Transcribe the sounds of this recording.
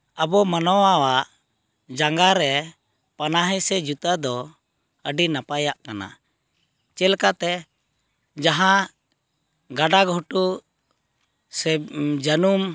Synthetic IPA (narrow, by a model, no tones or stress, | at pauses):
əbɔmanɔwawaʔ | d͡ʒaŋɡaɾɛ | panaɦɛsɛd͡ʒut̪ad̪ɔ | əɖinapajaʔkana̰ | t͡ʃɛlkat̪ɛ | d͡ʒaɦã | ɡaɖaɡʱɔʈu | sɛd͡ʒənum